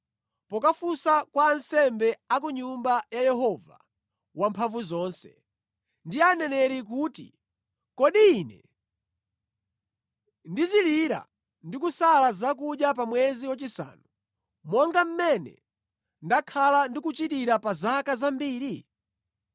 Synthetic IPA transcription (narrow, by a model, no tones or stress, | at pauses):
pɔkafusakwaːnsɛmbɛak̬uɲumbajajɛɦɔva̰ | wampʰaɱvuzɔːnsɛ̥̰ | ndianɛnɛɾik̬uːtḭ | kɔɗiːnɛ̰ | ndiziliɾa̰ | ndikusalazak̬uɗjap̬amwɛziwat͡ʃisa̰ːnu | mɔŋɡam̩mɛnɛ̰ | ndakʰalandikut͡ʃitiɾapazakazambiːɾi